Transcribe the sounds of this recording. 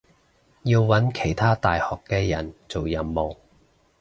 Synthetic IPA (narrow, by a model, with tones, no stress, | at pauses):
jiː˧wwɐ˨˥nkʰe˨˩jt̪ʰaː˥t̪aː˨jhɔː˨kːɛː˧jɐ˨˩nt͡so˨wjɐ˨˧mːo˨˩w